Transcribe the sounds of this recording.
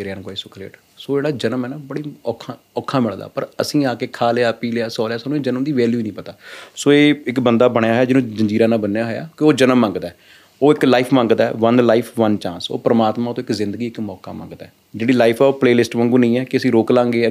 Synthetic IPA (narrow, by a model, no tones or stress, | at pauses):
ɾankaːisʊkʰlḛːʈ | soːd͡ʒeːɽaːd͡ʒənəmɛːnaːbəɽiːɔːkʰːa | ɔːkʰːaːmɪɭd̪a̰ːpəɾə̰sĩːaːkeːkʰaːleaːpiːlejaːsɔːljaːsaːnũeːd͡ʒənəmd̪iːʋɛːljuːnəĩːpət̪aːsoːeːɪkbənd̪aːbəɳjaːɦojaːd͡ʒɪnõːd͡ʒə̃ɲd͡ʒiːɾãːnaːbənːjaːɦoja̰ːkioːd͡ʒənəmːə̃ŋɡd̪aː | oːɪklaipʰmə̃ŋɡd̪aːɛ̰ʋənlaːɪpʰʋənt͡ʃãːnso̰ːpəɾəmaːt̪mãːt̪õɪkzɪ̃nd̪əɡiːɪkmɔːka̰ːmã̰ŋɡd̪aː | d͡ʒeːɽiːlaːɪpʰɛːoːpleːlɪsʈmə̃ŋɡũːnəĩːɛːkɪəsĩːɾoːklãːŋɡeː